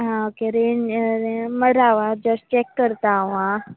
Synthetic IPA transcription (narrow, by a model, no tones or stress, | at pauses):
ɦãokeɾenɾeməɾaʋad͡ʒəs̚t͡ʃekːəɾt̪aʋã